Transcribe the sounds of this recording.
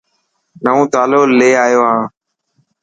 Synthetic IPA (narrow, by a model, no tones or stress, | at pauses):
nəõːt̪aːloːleːaːjoːɦãː